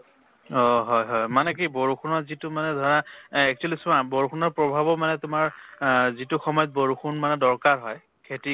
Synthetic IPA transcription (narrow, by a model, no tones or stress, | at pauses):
ɔɦɔjɦɔjmanɛk̬iboɹuxʰunɔzitʊmanɛdʱɔɹaɛk̚t͡ʃuelisaboɹukʰunɔɹpɹɔbʱabɔmanɛtʊmaɹzitʊxɔmɔjɔt̚boɹuxʰunmanɛdɔɹkaɹɦɔj | kʰeti